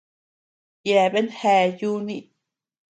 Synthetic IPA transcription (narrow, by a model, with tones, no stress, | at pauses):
jɛ˨be˦nhɛ˧˨ju˦ni˦ʔ